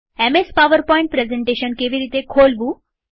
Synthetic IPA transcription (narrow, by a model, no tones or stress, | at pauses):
emespaʋəɾpɔĩɳʈ̚pɾezẽɳʈeɕənkeʋiɾiːt̪ekʰolbuː